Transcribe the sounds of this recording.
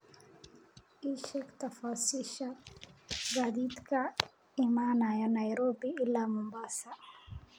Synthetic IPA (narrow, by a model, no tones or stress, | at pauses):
iʃɛkt̪afasiʃa | ɡad̪id̪kʰa | imanajanajɾobiilamumbasa